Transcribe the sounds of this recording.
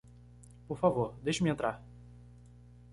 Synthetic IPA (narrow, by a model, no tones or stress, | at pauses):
poɾfavoɾd̪ejʃʊmɪẽnt̪ɾaɾ